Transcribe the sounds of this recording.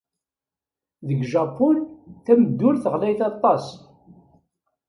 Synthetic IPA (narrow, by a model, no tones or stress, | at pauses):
ðəɡʒɑpʊlθæməd̪ːʊlθəʁlæjθɑt̪ˤːɑs